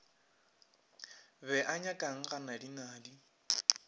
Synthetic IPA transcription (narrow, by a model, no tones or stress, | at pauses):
bɛʔaɲakʼaŋ̩ɣanadinaːdi